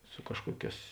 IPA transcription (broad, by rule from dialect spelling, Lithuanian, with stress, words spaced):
sʊ ˈkɑːʃkuɔˌkʲɛːs